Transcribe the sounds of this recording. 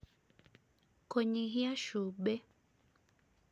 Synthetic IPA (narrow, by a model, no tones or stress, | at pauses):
koɲiɦiaʃube